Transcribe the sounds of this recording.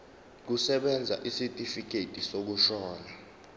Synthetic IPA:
k̬usɛɓɛnd͡zʱa̰ʔisitʼifik̬ʼetʼisok̬uʃɔːna

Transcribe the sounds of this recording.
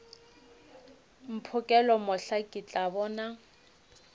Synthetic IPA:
m̩pʰʊkʼɛlɔmʊɬakʼit͡ɬʼabɔːna

